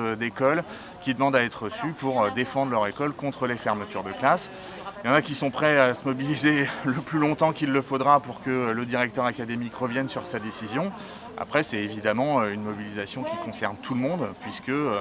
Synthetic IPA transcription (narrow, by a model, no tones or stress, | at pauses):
d̪ekɔl | kʲid̪əmɑ̃d̪aɛt̪χəsypuʁød̪efɑ̃d̪ʁlœʁekɔlkɔ̃t̪χəlefɛʁmət̪yʁd̪əklas | jɑ̃nakʲisɔ̃pχɛasəmɔbilizeləplylɔ̃t̪ɑ̃kʲilːəfod̪ʁapuʁkələd̪iʁɛk̚t̪œʁakʲad̪emikʁəvjɛnsyʁsad̪esizjɔ̃ | a̰pχɛsɛevid̪amɑ̃øynmɔbilizasjɔ̃kʲikɔ̃sɛʁnt̪ʰulmɔ̃d̪pɥiskə